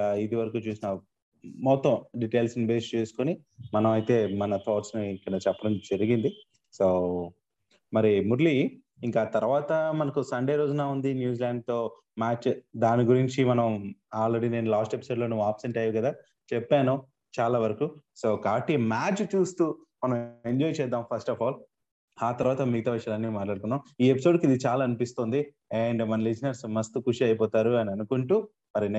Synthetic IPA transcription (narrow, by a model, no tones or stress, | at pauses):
id̪iʋɐɾɐkuːt͡ʃuːsinɐ | mɔːt̪ɐmɖiʈejlsnibeːst͡ʃeːsu̥koni | mɐnɐmɐjt̪e̞ːmɐnɐt̪ʰoːʈsniikːɐɽɐt͡ʃɛpːɐɽɐmd͡ʒɐɾiɡind̪i | soː | mɐɾimuɾli | iŋkaːt̪ɐɾuʋaːt̪ɐmɐnɐkusɐɳɖeːɾo̞ːd͡ʒunaːund̪injuːd͡ʒilaːɳɖ̚t̪o̞ː | maːt͡ʃd̪aːniɡuɾiɲt͡ʃimɐnɐmaːlɾeɽine̞ːnulaːsʈe̞pi̥soːɖlo̞ːnuʋːuaːpseɳʈɐjaʋkɐd̪aː | t͡ʃɛpːaːnu | t͡ʃaːlaːʋɐɾɐkuso̞ːkaːbɐʈːimaːt͡ʃt͡ʃuːst̪uː | mɐnɐ̃me̞ɲd͡ʒɔːjt͡ʃɛːd̪aːmpʰɐsʈɐfʰaːl | aːt̪ɐɾuʋaːt̪ɐmiɡɐt̪ɐʋɐʃɐlɐnːiːmaːʈlaːɽk̪unːaːmiːe̞pisoːɖkid̪it͡ʃaːlaːɐnipist̪oːnd̪i | eːɳɖmɐnɐlisnɐɾsumɐst̪ukuʂiɐjɐpɔːt̪aːɾuɐniɐnukuɳʈuː | mɐɾin